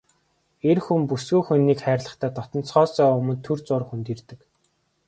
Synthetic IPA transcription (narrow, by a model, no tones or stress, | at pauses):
erxumpusɡuːjxunːiːkχæːɾʲɮə̆χt̪ʰæːt̪ʰɔt̪ɞ̆nt͡sχɔːsœːɵmɵ̆nt̪ʰɵrt͡sʊːrxunt̪irt̪ɘ̆k